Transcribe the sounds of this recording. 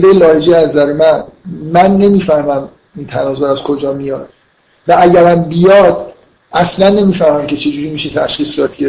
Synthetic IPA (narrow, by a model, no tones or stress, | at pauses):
d̪ejelɒːjed͡ʒeæzæɾemænmænːe̞miːfæhmæm | int̪ʰænɒːzoɾæz̥kʰod͡ʒɒːmijɒːd̪̥̚ | vææɟæɾæmbijɒːd̪̥ | æslænːe̞miːfæhmæmcʰe̞t͡ʃʰe̞d͡ʒuːɾimiʃet̪ʰæʃχiːsd̪ɒd̪ɡe